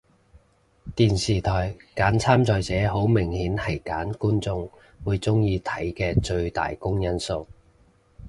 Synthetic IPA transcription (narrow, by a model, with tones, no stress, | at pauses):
t̪iː˨nsiː˨˩t̪ʰɔː˨˩jkaː˨˥nt͡sʰaː˥mt͡sɔː˨jt͡sɛː˨˥ɦo˨˥wmɪ˨˩ŋhiː˨˥nhɐ˨˩jkaː˨˥nkuː˥nt͡sʊ˧ŋ | wuː˨˧jt͡sʊ˥ŋjiː˧t̪ʰɐ˨˥jkɛː˧t͡ʃɵ˧ɥt̪a̰ː˨jkʊ˥ŋjɐ˥nso˨˧w